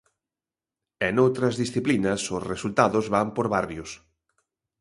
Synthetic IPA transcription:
enowt̪ɾɐzðisθiplinɐsʊsresult̪aðʊzβampoɾβarjʊs

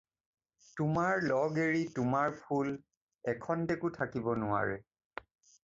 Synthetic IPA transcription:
tʊmaɹlɔɡeɹitʊmaɹpʰul | ɛkʰɔndekʊtʰakibɔnʊwa̰ɹɛ

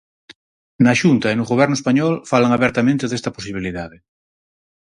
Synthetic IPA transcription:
naʃunt̪aenoɣoβ̞ɛɾnoespaɲɔlfalaŋaβɛɾt̪amẽnt̪eðest̪ɐposiβ̞iliðaðe

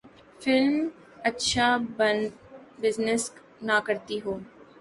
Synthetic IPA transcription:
fɪlm | ɐtːʃʰabənbɪznɪs | nakɐɾt̪iɦoː

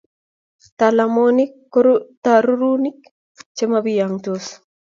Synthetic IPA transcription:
t̪alamonik̚ | t̪aɾuɾunik | t͡ʃemabijaŋt̪os

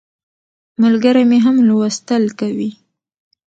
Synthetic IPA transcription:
malɡaɾameɦamlwast̪əlkawi

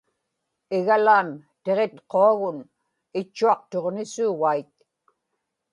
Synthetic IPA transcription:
ɪɣalaːnt̪eʁe̞t̪qoaɣʊn | ɪt͡ʃːuɑq̚t̪o̞ʁnɪsuwait̪̚

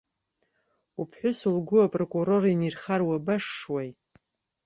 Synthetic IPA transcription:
upʰħʷᶣʊsulɡʷʊapʼrokʼuɾo̞rinirχarwabaʂːwaj

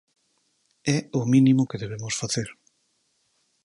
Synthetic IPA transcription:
ɛʊminimʊkeðeβ̞emosfaθeɾ

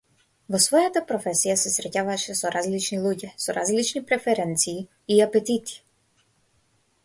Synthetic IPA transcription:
vɔsvɔjat̪apɾɔfɛsijasɛsɾɛcavaʃɛsɔɾazlit͡ʃnilˠuɟɛsɔɾazlit͡ʃnipɾɛfɛɾɛnt̪siː | apɛt̪it̪i̥

